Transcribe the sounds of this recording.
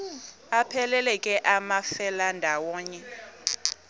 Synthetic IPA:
apʰɛlɛlɛkʼɛʔamafɛlandʱawɔːɲɛ

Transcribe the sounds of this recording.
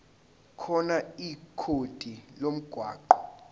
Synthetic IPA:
kʰɔnaikʰod̥ʼʱilom̩ɡ̥ʱwa̰ːǃɔ

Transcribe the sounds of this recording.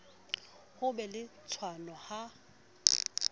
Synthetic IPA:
hʊbɛlɪt͡sʰwanɔha

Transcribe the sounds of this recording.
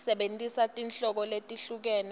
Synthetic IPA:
sɛɓentʼisatʼinɬɔk̬ɔletʼiɬuk̬ɛːnɛ

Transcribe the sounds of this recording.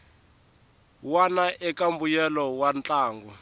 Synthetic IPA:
wanaʔɛkambujɛlɔwant͡ɬʼaːŋɡɔ

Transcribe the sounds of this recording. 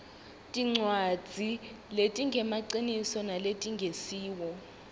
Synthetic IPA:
tʼiŋ͡ǀwad̥d͡z̥ʱi | letʼiŋɡʱɛmaǀinisɔnaletʼiŋʱesiːwɔ

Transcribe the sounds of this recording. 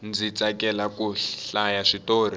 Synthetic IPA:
nd͡zit͡sakɛlakuɬajaʂitoːr̤i

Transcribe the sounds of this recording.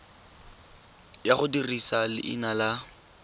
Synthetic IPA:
jaχʊdirisalɪ̰ʔɪ̰nala

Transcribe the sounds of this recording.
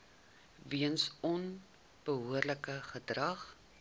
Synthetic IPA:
viənsɔn | b̥əɦuərləkəχədrɐχ

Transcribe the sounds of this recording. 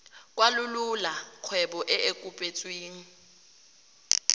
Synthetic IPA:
kʼwalʊlulaq͡χʰwɛɓɔʔɛekʼupʼet͡sʼweːŋ̩

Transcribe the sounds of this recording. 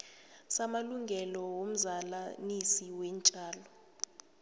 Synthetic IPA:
samaluŋɡʱɛlɔwom̩zalanisiwɛnt͡ʃʼaːlɔ

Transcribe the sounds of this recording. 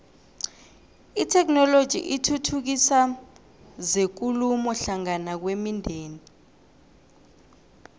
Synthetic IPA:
itʰɛknɔlod̥ʒ̥ʱḭʔitʰutʰuk̬isa | zek̬ulumɔɬaŋanak̬wemindʱeːni

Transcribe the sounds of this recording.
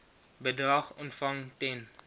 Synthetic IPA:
bədʁɑχɔntfɐŋtɛn

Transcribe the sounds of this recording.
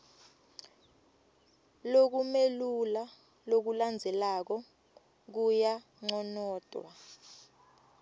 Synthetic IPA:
lok̬umelula | lok̬uland͡zʱɛlak̬ɔ | k̬uja | ŋ͡ǀɔnɔːd̥ʱwa̰

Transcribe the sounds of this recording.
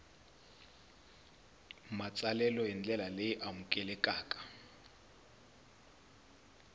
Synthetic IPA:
mat͡sʼalɛlɔjɛnd͡ɮɛlalejiʔamukʼɛlɛkʼaːkʼḁ

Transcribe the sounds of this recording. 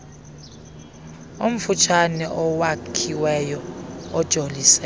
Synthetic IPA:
om̩fut͡ʃʰanɛʔɔwakʰiwɛjɔɔd̥ʒ̥ʱolisɛ

